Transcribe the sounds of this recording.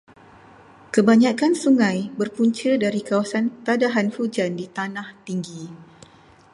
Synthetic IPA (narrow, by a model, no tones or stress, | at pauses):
kəbaɲãkansuŋãjbərpuɲt͡ʃədaɾikawasant̪adaɦanfud͡ʒandit̪anaht̪iŋɡi